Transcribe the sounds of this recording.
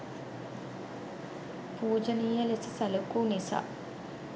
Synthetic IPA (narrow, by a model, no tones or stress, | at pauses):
puːd͡ʒɐniːjɐlesɐsɐlukuːnisa̰